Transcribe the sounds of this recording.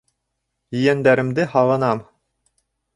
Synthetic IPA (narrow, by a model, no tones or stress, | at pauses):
jɵ̆jænd̪æɾɘ̆md̪ɘhɑʁɤ̆nɑm